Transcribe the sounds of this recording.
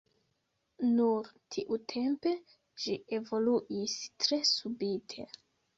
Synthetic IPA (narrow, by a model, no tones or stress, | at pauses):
nuɾtʰiʔutʰe̞mpe̞ | ʃie̞vo̞luʔistɾe̞subitʰe̞̰